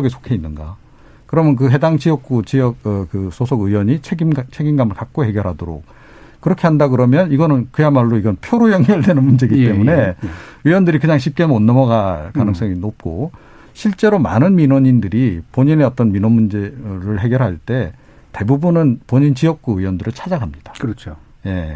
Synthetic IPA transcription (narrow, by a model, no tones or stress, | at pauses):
ʌɡesʰo̥kʰe̞inːɯnɡa̰ | kɯɾʌmjʌnk̬ɯɦe̞daŋt͡ɕiʌk̚k͈ut͡ɕijʌk̚kɯsʰosʰoɡɯjwʌɲit͡ɕʰeɡimt͡ɕʰe̞ɡimɡamɯɭkak̚k͈oɦe̞ɡjʌɾɦadoɾo̰k̚ | k͈ɯɾʌkʰe̞ɦandaɡɯɾʌmjʌniɡʌnɯnkɯjamaɭːoiɡʌnpʰjoɾojʌŋɡʌɭdwenɯnmund͡ʑe̞ɡit͈e̞mune̞ɯjwʌndɯɾikɯɲaŋɕ̬ʰip̚k͈enmonːʌmʌɡakanɯŋs͈ʌŋinop̚k͈o | ɕʰiɭt͡ɕ͈e̞ɾoma̰nɯnminwoɲindɯɾipoɲine̞ʌt͈ʌnminonmund͡ʑe̞ɾɯɭɦe̞ɡjʌɾɭɦaɭt͈e̞ | te̞bubunɯnpoɲint͡ɕijʌk̚k͈uɯjwʌndɯɾɯɭt͡ɕʰad͡ʑaɡɦamɲid̥ḁkɯɾʌt͡ɕʰo | je̞